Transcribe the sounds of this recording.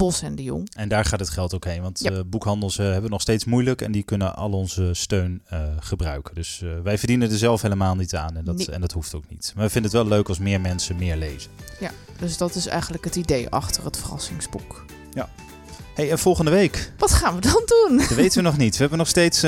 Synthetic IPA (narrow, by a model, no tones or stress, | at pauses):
b̥ɔsɛndio̰ŋɛndaːɹχaːtətχɛlˠtowkɦejnʋɑntbukɦɑndəlˠsɦɛbənɔχstejtsmujləkɛ̰ndikʏnənʔɑ̰lɔnzəstøɥnəχəbrœ̰ɥkəndɵsʋɛjvəɹdinəndəɹzɛlˠfɦeləmaːlˠnitaːnɛndtɛ̰ndɑtɦuftowknḭtmaːʋəfɪndənətʋɛløɥkɑlˠsmɪːɹmɛnsənmɪːɹlḛjz̥ənj | d̥øsdɑtɪsɛ̰jχənləkətidejʔɑ̰χtərətfərɑ̰sɪŋsbuk | ja | hejɛnv̥ɔlˠχəndəʋejkʋɑtχaːnʋədɑndunɔtʋejtənʋənɔχnitʋəɦɛbənɔχstejts